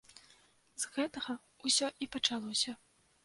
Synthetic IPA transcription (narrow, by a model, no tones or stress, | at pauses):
zɣɛt̪ɐɣɐ | usʲɔʔipɐt͡ʂalˠɔsʲɐ